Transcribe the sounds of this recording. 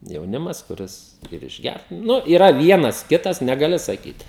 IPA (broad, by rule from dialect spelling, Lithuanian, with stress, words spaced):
jɛʊˈnʲɪmɐs kʊˈrʲɪs ɪr ɪʒʲˈɡʲært ˈnʊ iːˈrɐ ˈʋʲiɛnɐs ˈkʲɪtɐs nʲɛɡɐˈlʲɪ sɐˈkʲiːt